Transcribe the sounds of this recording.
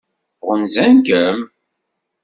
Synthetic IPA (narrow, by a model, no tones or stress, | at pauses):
ʁənzænkəm